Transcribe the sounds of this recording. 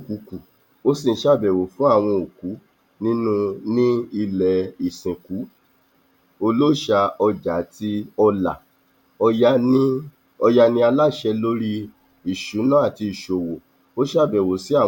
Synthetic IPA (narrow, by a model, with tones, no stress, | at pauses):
ku˨˦ku˨ | o˦si˦˨˦ʃa˦˨bɛ˨wo˨fũ˨˦a˦˨w̃ɔ̃˧o˨ku˨˦ | nĩ˦nũ˦nĩ˦i˧lɛ˨i˨sĩ˨ku˨˦ | o˧lo˦˨ʃa˧ɔ˧d͡ʒa˨˦ti˧ɔ˧la̰˨ | ɔ˧ja˧nĩ˦ | ɔ˧ja˧nĩ˦a˧la˦˨ʃɛ˧lo˦ɾi˦ | i˨ʃu˨˦nã˦a˦˨ti˧i˨ʃo˨wo˨ | o˦ʃa˦˨bɛ˨wo˨si˨˦a˦˨